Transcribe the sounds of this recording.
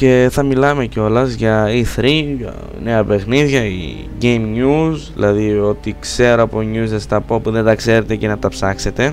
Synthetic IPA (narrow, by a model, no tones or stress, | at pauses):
ce̞θɐmilɐme̞co̞lɐzʝɐiθɾḭ | ne̞ɐpe̞xniðʝɐḭ | ɟejmɲuzðḭlɐðio̞t̪ikse̞ɾoɐpoɲusest̪ɐpo̞puðe̞nt̪ɐkse̞ɾe̞t̪e̞ce̞nɐt̪ɐpsɐkse̞t̪e̞